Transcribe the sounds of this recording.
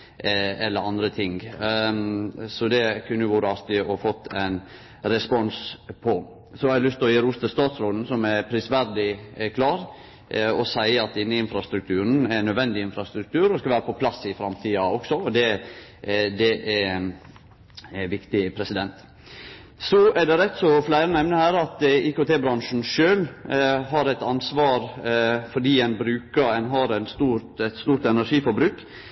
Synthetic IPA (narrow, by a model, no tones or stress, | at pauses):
ɛlːəɾɑnd̪ɾət̪ʰɪŋ | sɔd̪ɛkʰʉnːəjʊʋuːɾəɑst̪ɪɔfɔt̪ːæɪn | ɾɛspɔnspʰɔ | sɔhɑlʏst̪ɪlɔjiːɾʊst̪əst̪ɑːt̪sɾoːd̪n̩sɔmæpʰɾɪsʋæɾd̪ɪkʰlɑːɾ | ɔsæɪəɑt̪ɪnːəɪnfɾɑst̪ɾʉk̚t̪ʰʉːɾən̩ænːœd̪ʋɛnd̪ɪɪnfɾɑst̪ɾʉk̚t̪ʰʉːɾɔskɑʋæːɾəpɔpʰlɑsːɪfɾɑmt̪ʰiːɑɔksɔɔd̪ɛ | d̪ɛʔæn | ʋɪkt̪ɪpʰɾɛsɪd̪ɛnt̪ | sɔʔɛɖɛɾɛt̪sɔflæɪɾənɛmnəhæːɾɑt̪iːkot̪ʰeːbɾɑnʂn̩ʂøːlɦɑɾɛɪt̪ɑnsʋɑːɾfɔɖiːɛnbɾʉːkəɛnɦɑɾɛnst̪uːɾt̪ɛt̪st̪uːɾt̪ɛnæʂiːfɔbɾʉːk